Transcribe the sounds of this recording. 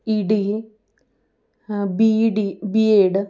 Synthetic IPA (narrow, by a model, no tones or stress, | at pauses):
iɖi | biɖibieːɖɨ